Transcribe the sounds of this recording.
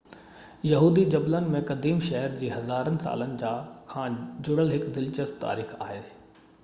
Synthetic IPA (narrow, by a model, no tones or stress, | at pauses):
jɐɦuːd̪id͡ʑɐblənɪ̆mẽkɐd̪iːmʃɐɦəɾd͡ʑiːɦɐzaːɾənɪ̆sa̰ːlənɪ̆d͡ʑaːkʰãːd͡ʑʊɽəlɦɪkd̪ɪlt͡ɕəst̪ːa̰ːɾiːxaːɦeːs